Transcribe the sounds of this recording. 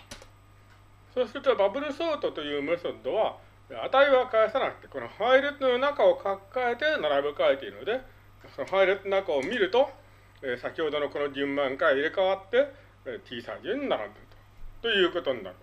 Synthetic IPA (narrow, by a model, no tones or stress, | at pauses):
so̞ːsɨɾɯ̟t̪obabɯ̟ɾɯ̟so̞ːt̪o̞t̪o̞jɯ̟ːmoosod̪o̞βa | at̪aiβakaesanakɯ̟̥t̪e̞ko̞no̞haiɾɯt̪ono̞nakao̞kʰakːae̞t̪e̞naɾabɯ̟kaet̪eiɾɯ̟no̞d̪e̞ | sonoɦaiɾɯt̪ːonakao̞mʲiɾɯ̟t̪o̞ | esakʲiho̞d̪o̞no̞ko̞no̞d͡ʑɨ̃mbãŋkaiɾekaβat̪ːe̞ | t̪ʲʰiːsa̰id͡ʑɯ̃ɲ̟inaɾa̰nd̪eɾɯ̟t̪o̥t̪o̞jɯ̟ːko̞t̪o̞ɲ̟ina̰ɾ